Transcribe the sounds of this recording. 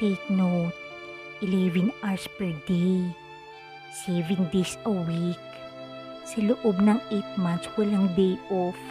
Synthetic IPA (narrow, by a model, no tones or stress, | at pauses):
tejt̪̚not̪̚ | ʔɪlɛvɛnaɹspɛɹd̪ej | sɛvɛ̃nd̪ejsɐwik | sɐlʊʔobnɐŋʔejt̪̚mant̪swɐlaŋd̪ejɔf